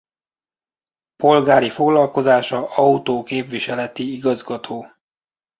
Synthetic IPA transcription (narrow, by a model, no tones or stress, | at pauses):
po̞lɡaːɾifo̞ɡlɒlko̞zaːʃɒɒut̪oːkeːpʋiʃɛlɛt̪iiɡɒzɡɒt̪ʰoː